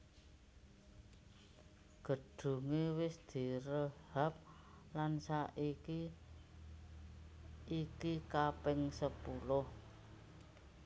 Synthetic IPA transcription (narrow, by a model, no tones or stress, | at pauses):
ɡ̥ə̤ɖ̥ṳŋewɪsd̪̥i̤ɾəhap̚ | lansaʔiki | ikikapɪŋsəpulʊh